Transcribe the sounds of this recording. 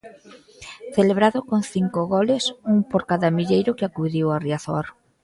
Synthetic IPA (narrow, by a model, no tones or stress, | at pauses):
θeleβɾaðʊkoŋθiŋkoɣɔlɪsuŋpoɾkaðamiʎejɾʊkɪakuðiwariaθɔ̰ɾ